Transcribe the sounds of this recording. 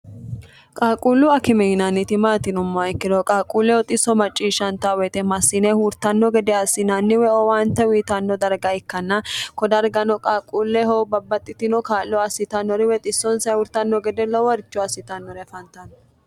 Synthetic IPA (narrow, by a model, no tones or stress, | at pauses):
kʼaːkʼuːlːʊɐkɪmɛhɪnɐnːɪt̪ɪmaːt̪ɪnʊmːɔɐɪkːɪd̪ɔkʼaːkʼuːlːɛhɔt̪ʼɪsɔmɐt͡ʃʼːiːʃːɐnt̪ɐwɛt̪ɛmɐsːɪnɛhʊɾt̪ɐnːɔɡɛd̪ɛɐsːɪnɐnːɪwɛɔwaːnt̪ɛwiːt̪ɐnːɔd̪ɐɾɡɐɪkːɐnːɐkɔd̪ɐɾɡɐnɔkʼaːkʼuːlːɛhɔbɐbːɐt̪ʼːɪt̪ɪnɔkaːlːɔɐsːɪt̪ɐnːɔɾɪwɛt̪ʼɪsːɔnsɐhʊɾt̪ɐnːɔɡɛd̪ɛlːɔwɐɾɪt͡ʃːɔɐsːɪt̪ɐnːɔɾɛfɐnt̪ɐn